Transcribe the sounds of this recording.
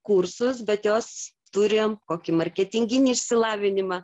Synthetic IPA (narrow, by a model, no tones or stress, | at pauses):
kursʊsbʲɛt̪joːs | t̪uɾʲejoːmkoːkʲɪmɐɾʲkʲɛt̪ʲɪŋʲɡʲɪnʲiːʃʲsʲɪlˠɑːʋʲɪnʲɪmɑ